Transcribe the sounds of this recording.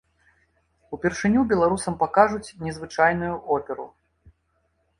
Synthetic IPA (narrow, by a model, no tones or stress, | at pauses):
upʲɛrʂɨnʲubʲɛlˠaɾusɐmpakaʐut͡sʲnʲɛzvɨt͡ʂajnujuʔɔpʲɛɾṵ